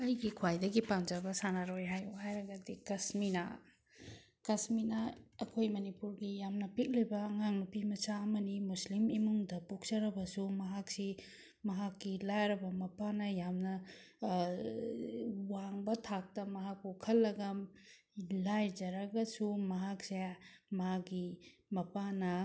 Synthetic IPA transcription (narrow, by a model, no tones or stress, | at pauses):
ɐjɡikʰwajdɐɡipand͡ʒɐbɐsanaɾojɦajuhajɾɐɡɐdikɐsminɐ̰ | kɐsminɐɐkʰojmɐnipuɾɡijamnɐpik̚libɐːŋaŋnupimɐsaɐmɐnimuslimimuŋdɐpuk̚d͡ʒɐɾɐbɐsumɐɦak̚si | mɐɦakːilajɾɐbɐmɐpanɐjamnɐ | waŋbɐtʰak̚tɐmɐɦak̚pukʰɐlːɐɡɐ | lajd͡ʒɐɾɐɡɐsumɐɦak̚semaɡimɐpanɐ